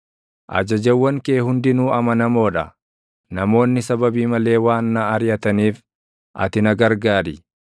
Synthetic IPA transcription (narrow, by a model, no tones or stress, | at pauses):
ʔɐ̰d͡ʒɐd͡ʒɐwːɐŋkeːhʊnd̪ɪnuːɐmɐnɐmo̞ːᶑɐ | nɐmo̞ːnːɪsɐbɐbiːmɐle̞ːwaːnːɐːɾjɐt̪ɐniːf | ʔɐ̰t̪ɪnɐɡɐɾɡaːɾɪ